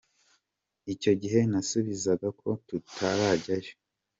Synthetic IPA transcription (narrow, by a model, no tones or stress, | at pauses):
ico̞ɟiɦe̞nasuβizaɡakʰo̞tutʰaɾaɟajo